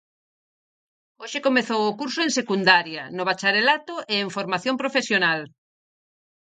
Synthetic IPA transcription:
oʃɪkomeθowʊkuɾsʊẽŋsekund̪aɾjɐnʊβ̞at͡ʃaɾelat̪oʔeːɱfoɾmaθjompɾofesjonal

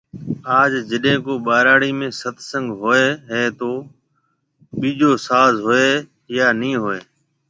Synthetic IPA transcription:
aːd͡ʒd͡ʒəɗɦẽːkoːɓaːɾaːɽiːmẽːsət̪ʰsə̃ŋɡɦoːeːɦẽːt̪oː | ɓiːd͡ʒoːsaːzɦoːeː | jaːnĩːɦoːeː

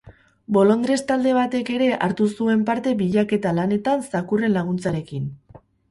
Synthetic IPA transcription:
bo̞lo̞nd̪ɾe̞st̪ald̪e̞β̞at̪e̞ke̞ɾe̞ʔaɾt̪usue̞mpaɾt̪e̞βiʎake̞t̪alane̞t̪ansakure̞nlaɣ̞unt͡saɾe̞kin

